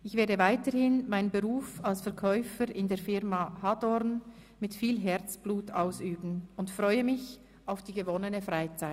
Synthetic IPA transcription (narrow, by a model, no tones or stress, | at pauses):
ʔɪçv̥eːɐdəvaɪtəhɪnmaɪnbəʁuːfalsfɛɐkʰɔʏfəɾɪndeːɐfɪʁmahadɔʁn | mɪtfiːlɦɛʁt͡sb̥luːtʰaʊsyːbn̩ʊntfʁɔʏəmɪç | aʊfd̥iːɡəvɔnənəfʁaɪt͡saɪ